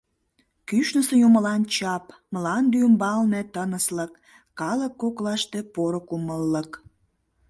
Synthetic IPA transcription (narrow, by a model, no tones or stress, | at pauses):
kyʃnəsejoməlɑnt͡ɕɑpməlɑnd̪ymbɑlnet̪ənəsləkː | ɑləkːoklɑʃt̪e̽poɾokuməlːək